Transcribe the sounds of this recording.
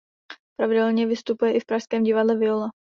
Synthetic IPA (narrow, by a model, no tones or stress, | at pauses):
pɾavɪdɛlɲɛvɪst̪upujɛʔɪfpɾaʃskɛːmɟɪvadlɛvɪola